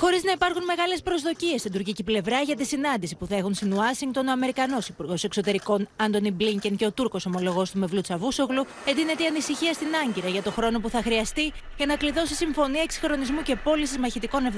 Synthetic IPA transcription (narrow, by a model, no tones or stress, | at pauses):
xo̞ɾiznɐipɐɾxunme̞ɣɐle̞spɾo̞zðo̞cie̞st̪ind̪uɾciciple̞vɾɐʝɐt̪isinɐnd̪isipuθɐe̞xunst̪inuɐsiŋk̚t̪o̞noɐme̞ɾikɐno̞sipuɾɣo̞se̞kso̞t̪e̞ɾiko̞nɐnd̪o̞nibliɲceŋce̞o̞t̪uɾko̞so̞mo̞lo̞ɣo̞st̪ume̞vlut͡sɐvuso̞ɣlu | e̞nd̪ine̞t̪eiɐnisiçiɐst̪inɐɲɟiɾɐʝɐt̪o̞xɾo̞no̞puθɐxɾiɐst̪i | ʝɐnɐkliðo̞sesiɱfo̞niɐeksi̥xɾo̞nizmuce̞po̞lisizmɐçit̪iko̞nev